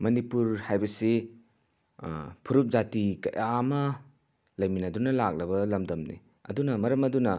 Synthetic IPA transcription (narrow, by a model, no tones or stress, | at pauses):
mɐnipuɾhajbɐsi | pʰuɾup̚zatikɐ̰jʔamɐ | lɐjminɐdunɐlak̚lɐbɐlɐmdɐmnḭ | ɐ̰dunɐmɐɾɐmɐdunɐ